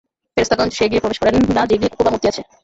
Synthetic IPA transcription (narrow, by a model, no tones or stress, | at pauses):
feɾost̪ʰakɔnt͡ɕo̥ʃeeɡiepɾobeʃkɔɾenːad͡ʑeeɡieku̥kobamot̪iat͡ɕʰe